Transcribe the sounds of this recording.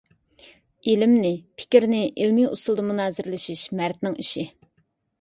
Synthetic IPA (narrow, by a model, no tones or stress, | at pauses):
ilɪmnɪpʰɪ̥kʲiɾnɪʔilmiṵst̪ʊlˠd̪ɨmunɑːzɪɾlɪʃiʃmæɾt̪nɪŋiʃɪ